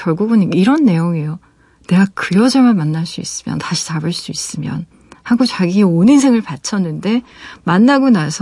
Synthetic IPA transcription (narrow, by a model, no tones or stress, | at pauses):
kjʌɭɡuɡuniiɾʌnːe̞joŋejo | ne̞ɡakɯɾʌd͡ʑʌɭmɯɭmanːaɭs͈uḭs͈ɯmjʌ̰ntaɕʰi̥tabɯɭs͈uis͈ɯmjʌ̰n | haɡot͡ɕaɡieoninsʰe̞ŋɯɭpat͡ɕʰʌnːɯnde̞manːaɡonasʰ